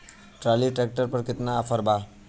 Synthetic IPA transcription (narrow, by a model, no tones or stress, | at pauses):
ʈɾaliʈek̚ʈəɾpəɾkɪt̪naːfʰəɾba